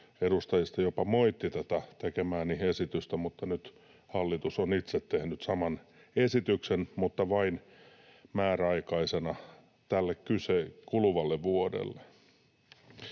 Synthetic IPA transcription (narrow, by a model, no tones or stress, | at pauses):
edust̪ɑjist̪ɑjopɑmoit̪ːit̪æt̪æt̪ekemæːnihesit̪yst̪æmut̪ːɑnyt̪ | hɑlːit̪usonit̪set̪tehnyt̪sɑmɑn | esit̪yksenmut̪ːɑʋɑin | mæːræɑikɑisenɑ | t̪ælːekkysekulʋɑlːeʋuodḛlːe